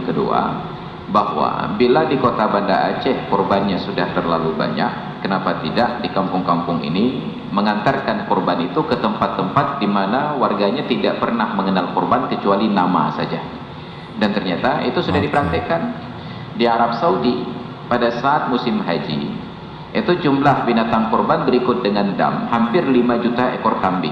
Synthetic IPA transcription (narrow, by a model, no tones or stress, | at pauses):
kədṵa̰ | bahwa̰biladikot̪abanda̰ʔa̰t͡ʃɛhkɔrbanɲasudaht̪ərlaluba̰ɲa̰k̚ːənapat̪idaʔdikampʊŋkampʊŋḭni | məŋant̪arkankɔrbanit̪ukət̪əmpat̪ːəmpat̪̚dimanawarɡaɲat̪idaʔpərnahməŋənalkurbankət͡ʃualinama̰sad͡ʒa | dant̪ərɲat̪aḭt̪usudahdipəɾant̪ɛkan | diaɾap̚saudi | padasaʔːt̪̚musɪmɦad͡ʒḭ | ʔit̪ud͡ʒumlahbinat̪aŋkɔrbanbəɾikʊt̪̚dəŋanda̰mhampɪrlimad͡ʒut̪aekɔrk̪ambɪ̰